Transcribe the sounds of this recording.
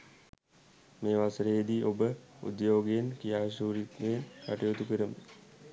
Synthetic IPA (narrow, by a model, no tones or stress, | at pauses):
meːʋasəɾeed̪iːʔobəṵd̪joːɡejenkijaːʃuːɾit̪ːenkaʈijot̪upeɾəmə